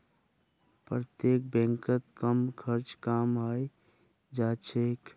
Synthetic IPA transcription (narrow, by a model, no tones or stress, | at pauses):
pɾət̪jek̚bẽŋkət̪kəmkʰəɾt͡ʃkamɦəj | d͡ʒat͡ʃʰek